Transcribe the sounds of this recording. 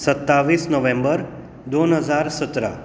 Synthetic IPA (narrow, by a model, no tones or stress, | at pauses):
sət̪ːaʋisnəʋẽmbəɾ | d̪onɦəd͡ʒaɾsət̪ɾə̰